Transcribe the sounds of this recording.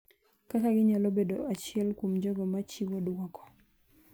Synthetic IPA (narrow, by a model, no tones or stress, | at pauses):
kakaɡɪɲalobedoat͡ʃɪɛlkwomd͡ʒɔɡɔmat͡ʃiwɔdwɔkɔ̥